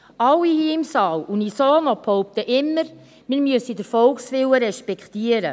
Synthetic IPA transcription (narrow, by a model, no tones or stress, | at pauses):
ɑwːihiːɪmsɑːwunisoːnɔphɔʊp̚t̪əʔɪmːəɾ | mɪːɾmyəsidəɾfɔlksʋɪwəɾɛʃpɛkχt̪iəɾə